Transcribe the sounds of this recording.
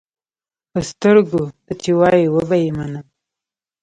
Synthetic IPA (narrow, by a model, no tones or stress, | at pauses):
pəst̪əɾɡot̪at͡ʃiwɑjiwəbajimanə